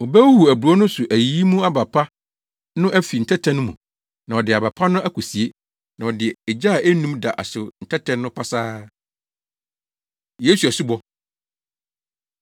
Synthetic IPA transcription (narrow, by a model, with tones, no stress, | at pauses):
ɔ˨bæ˦whu˨æ˨bu˨ɾɔ˦nʊ̃˦sʊ˨ʔæ˨jiː˦mũ˦a˦ba˨pʰa˦ | nʊ̃˦ʔæ˦fi˨n̩˨tʰɛ˦tʰɛ̃˦nʊ̃˦mṵ̃˨ | nã˨ɔ˨dɪ˨a˨ba˨pʰa˦nʊ̃˦ʔæ˦kʰɔ˨si˨e˦ | nã˨ɔ˨dɪ˨ɛ˨ɛ˨d͡ʑa˦˨ʔæ˦nũ˦mda˨ʔa˨sʊ˨n̩˨tʰɛ˦tʰɛ̃˦nː˦ʊ̃˦pʰa˦saː˦ | je˦su˨æ˨su˦bɔ˦